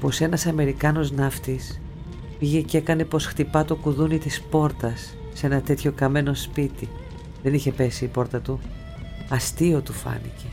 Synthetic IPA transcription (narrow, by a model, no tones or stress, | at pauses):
po̞se̞nɐsɐme̞ɾikɐno̞znɐft̪is | piʝe̞ce̞kɐne̞po̞sxt̪ipɐt̪okuðunit̪ispo̞ɾt̪ɐsː | e̞nɐt̪e̞t̪ço̞kɐme̞no̞spit̪i | ðe̞niçe̞pe̞siːpo̞ɾt̪ɐt̪u | ɐst̪io̞t̪ufɐ̰nḭce̞